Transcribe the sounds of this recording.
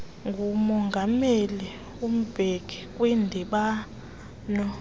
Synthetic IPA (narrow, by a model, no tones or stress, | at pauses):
ŋɡʱumɔŋɡʱameli | um̩b̥ʱeɡ̥ʱik̬ʼwindʱiɓa | nɔ